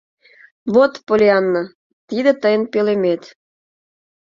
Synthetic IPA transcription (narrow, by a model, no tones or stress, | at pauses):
βot̪polʲiɑnːɤ | t̪id̪ĕt̪əjənpelemet̪